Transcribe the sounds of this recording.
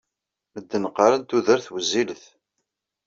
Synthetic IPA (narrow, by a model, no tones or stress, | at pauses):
məd̪ːənəqːəɾˤənt̪uðəɾθwəzːiləθ